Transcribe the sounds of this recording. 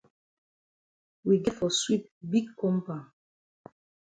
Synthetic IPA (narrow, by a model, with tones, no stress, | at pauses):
wi˨ɡɛ˦tfɔ˨swi˦p̚bi˦ɡkɔ̃˦mpa˨